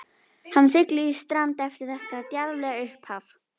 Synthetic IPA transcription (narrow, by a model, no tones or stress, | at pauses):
hanːsɪklɪist̪ɾant̪ɛft̪ɪɾ̥θɛht̪at̪jaɾlɛːɣaʏhphaːf